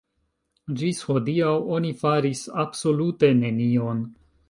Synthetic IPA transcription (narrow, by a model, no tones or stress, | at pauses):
d͡ʒisho̞diawo̞nifaɾisabso̞lute̞ne̞nio̞n